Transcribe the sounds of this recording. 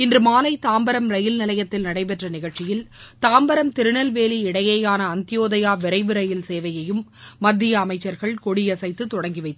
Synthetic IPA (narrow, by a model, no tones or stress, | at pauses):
ɪndrɯmaːlɐɪt̪aːmbɐɾɐmɾɐjɪlnɪlɐjɐt̪ːɪlnɐɽɐɪp̬ɛʈrɐnɪɣɐɭt͡ʃːɪjɪlt̪aːmbɐɾɐmt̪ɪɾɯɳɐlʋeːliɪɽɐjejaːnɐːnt̪ɪjoːðɐjaːʋɪɾɐɪʋɯɾɐjɪlseːʋɐjɐjɯmːɐd̪ːɪjɐːmɐɪt͡ʃːɐɾɣɐɭkɔɽɪjɐsɐɪt̪ːɯt̪ːɔɽɐŋɡɪʋɐɪt̪ː